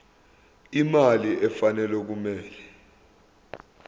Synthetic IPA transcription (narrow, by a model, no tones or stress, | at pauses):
imaliʔɛfanɛlwɛk̬umɛːlɛ